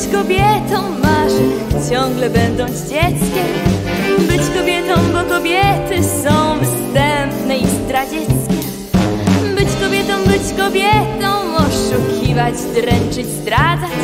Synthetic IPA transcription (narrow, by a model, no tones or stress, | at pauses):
t͡ɕkɔbʲjɛt̪ɔ̃w̃maʐɛ | t͡ɕɔ̃ŋɡlɛbɛnd̪ɔ̃w̃d͡ʑd͡ʑɛt̪skʲɛm | bɘt͡ɕkɔbʲjɛt̪ɔ̃w̃bɔkɔbʲjɛt̪ɘsɔ̃w̃fst̪ɛmpnɛifst̪ɾad͡ʑɛt̪skʲɛ | bɘt͡ɕkɔbʲjɛt̪ɔ̃w̃bɘt͡ɕkɔbʲjɛt̪ɔ̃w̃ɔʂukʲʰivat͡ɕd̪ɾɛnt͡ʂɘd͡ʑzd̪ɾad̪zat͡ɕ